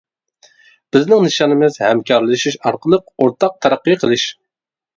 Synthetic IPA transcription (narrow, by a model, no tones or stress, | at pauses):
b̥ɪznɪŋnɨʃɑnɨmɨzhɛmkʲʰɑɾlɪʃiʃɑɾqəlˠəqoɾt̪ʰɑq̚t̪ʰɑɾæqːɨjqʰəlˠɨʃ